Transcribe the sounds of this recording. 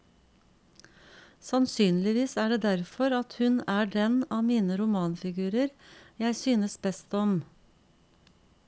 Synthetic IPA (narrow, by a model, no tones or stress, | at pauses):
sɑnsyːnlɪʋiːsæːɖeːd̪æɾfɔɾɑt̪hʉnæːɖɛnɑːmiːnəɾʊmɑːnfɪɡʉːɾəɾjæɪsyːnəsbɛst̪ɔm